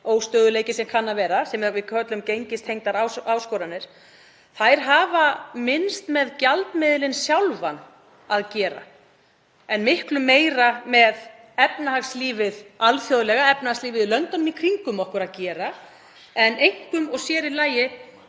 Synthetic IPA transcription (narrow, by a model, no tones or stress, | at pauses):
oːwst̪œːðʏleːjcɪsɛmkʰanːavɛːɾasɛmvɪkʰœt̪lʏmcejɲcɪst̪hejŋt̪aɾawawskɔːɾanːɪɾ̥ | θajɾ̥ɦaːvamɪnst̪mɛðcalt̪mɪðlɪnsjawlvan | aðcɛːɾa̰ | ɛnmɪhklʏmːeːjɾamɛð | ɛpnaɦaxsliːvɪðalθjoðlɛɣaɛpnahaksliːvɪðlœnt̪ɔnʏmikʰɾiŋkʏmɔhkʏɾaðcɛːɾa | ɛnejŋ̥kʏmɔɣsjɛːɾɪlaːjɪ